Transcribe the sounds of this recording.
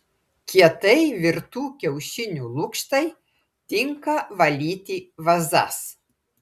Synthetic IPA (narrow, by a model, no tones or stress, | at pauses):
kʲiɛt̪ɐɪʋʲɪɾt̪uːkʲɛʊʃʲɪnʲuːlˠʊkʃt̪ɐɪ | t̪ʲɪŋkɐʋɐlʲiːt̪ʲiʋɐzɐ̰s